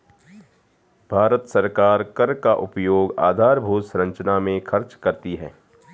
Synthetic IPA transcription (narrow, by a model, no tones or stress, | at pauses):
bʱaːɾət̪sɐɾkaːɾkəɾkaʔʊpjoːɡa̰ːd̪ʱaːɾbʱuːt̪sɾɐ̃ɲt͡ʃnamẽkʰɐɾt͡ʃkɐɾt̪iɦɛː